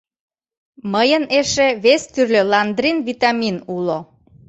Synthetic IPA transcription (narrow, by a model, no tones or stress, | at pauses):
məjəneʃeβest̪yrlʲølɑnd̪ɾinβit̪ɑminulo